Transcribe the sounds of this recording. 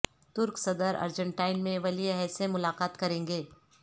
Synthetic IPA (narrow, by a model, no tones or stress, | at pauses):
t̪ʊɾksɐd̪əɾɐ̰ɾd͡ʒə̃ɳʈaːɪnmẽʋɐliɦɛːsemʊlaːqaːt̪kɐɾẽːŋɡeː